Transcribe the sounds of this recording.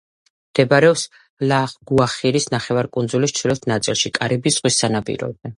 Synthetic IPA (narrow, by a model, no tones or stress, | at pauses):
md̪̥ɛbaɾɛɔps | laχɡ̥uaχiɾisnaχɛvaɾkʼunzulist͡ʃ̪ʰilɛt̪ʰnat̪sʼḭlˠʃikʼaɾibisz̥ʁwisːanapʼḭɾɔ̰b̚ɛ